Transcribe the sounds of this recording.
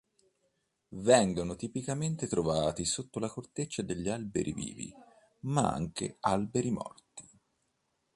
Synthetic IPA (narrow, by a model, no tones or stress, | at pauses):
vɛŋɡonot̪ipikament̪et̪ɾovaːt̪isot̪ːolakort̪et͡ʃːad̪eʎːialbḛɾʔḭvḭːvḭ | maa̰ŋkḛalbeɾimɔ̰rt̪i̥